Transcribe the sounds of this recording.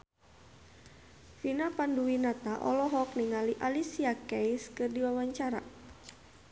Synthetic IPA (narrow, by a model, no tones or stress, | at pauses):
finapanduwinat̪aʔɔ̰lɔɦɔk̚niŋaliʔalisiakɛjskɨrdiwawaɲt͡ʃaɾa̰